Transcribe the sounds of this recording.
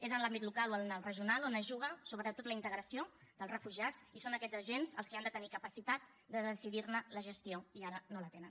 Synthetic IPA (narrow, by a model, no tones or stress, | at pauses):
ezənlambit̪lukaloənəlˠrəʒiunalˠonəʒuɣ̞əsoβət̪ot̪ːot̪lint̪əɣɾəsiod̪əlˠzrəfuʒiat͡sisonəkɛd͡zəʒenzəlˠskiand̪ət̪ənikəpəsit̪at̪̚ | d̪əðəsiðiɾnələʒəst̪ioiaɾənolət̪enən